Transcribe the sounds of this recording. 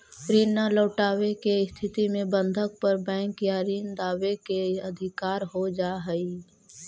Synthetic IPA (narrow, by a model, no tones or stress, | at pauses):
ɾiːnːaləːʈaːwekeɪst̪ʰɪt̪imẽbə̃nd̪ʱək̚pəɾbɛ̃ːŋkjaɾiːnd̪aːʋekeɐd̪ʱɪkaːɾɦod͡ʒaːɦəi